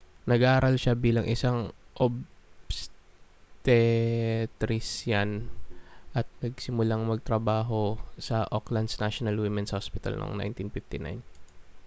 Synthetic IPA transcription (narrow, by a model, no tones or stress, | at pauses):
nɐɡaʔaːɾʔɐlʃabiːlɐŋʔɪsaŋʔobs | t̪ɛ | t̪ɾɪsjan | ʔɐt̪̚nɐɡ̚sɪmʊlaŋmɐɡ̚t̪ɾɐbaːɦo̞sɐʔoklɐnd̪snaʃonɐlwimɛnshospɪt̪ɐ̰lnʔo̰ŋna̰jnt̪infɪft̪ɪna̰jn